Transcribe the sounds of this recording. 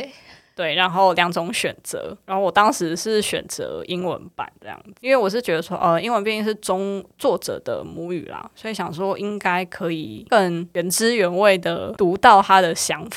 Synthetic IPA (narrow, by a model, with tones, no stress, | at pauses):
t̪we˥˩ɪɻa˨˦nxo˥˩ʊljɑ˨˥ŋt͡sʊ˧˥ŋɕɥɛ˨˩nt͡sɤ̰˧˦ɻa˨˧nxo˥˩ʊwɔ˨˩t̪ɑ˥ŋʂɻ̩˧˦ʂɻ̩˥˩ɕɥɛ̰˨˩nt͡sɤ̰˧˦i˦˥nwə̰˧˦npa̰˨˩˦ntə˦jɑ̰˥˩ŋd͡z̩˨i˦nwe˥˩ɪwɔ˨˩ʂ̬ɻ̩˥˩t͡ɕɥɛ˧˦d̪ə˧swɔ̰˥ʔə˧i˥ŋwə˧npjɛ˥˧ni˥˧ŋʂɻ̩˥˩t͡sʊ˥ŋt͡swɔ˥˩ʈ͡ʂɤ̰˨˩d̪ə̰˦mu˧˥y̰˨˩la̰˩swɔ˧˥i˧˥ɕjɑ˨˩ŋʂwɔ˥˨ʔi˦˥ŋka˥ɪkʰɤ˧˦i˨˩kə˥˧ŋɥə˧˥nʈ͡ʂɻ̩˥ɥɛ˧˥nwe˥˩ɪd̪ə˩t̪u˨˧˥t̪ɑ˥˨˩ʊt̪ʰa˦˥d̪ə˨ɕjɑ˥ŋf